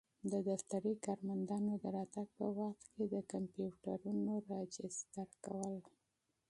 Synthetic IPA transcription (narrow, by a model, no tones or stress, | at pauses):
d̪əd̪aft̪aɾikɑɾmand̪ɑnod̪əɾɑt̪aɡ̚pəwaχt̪ked̪əkampjuʈaɾunoɾɑd͡ʒɪsd̪əɾka̰wəl